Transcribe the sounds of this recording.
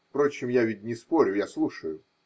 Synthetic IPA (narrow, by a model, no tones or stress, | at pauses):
fpɾo̞t͡ɕːɪmjavʲɪt̚ʲnʲɪspo̞ɾʲʊjaslˠuʂəjʊ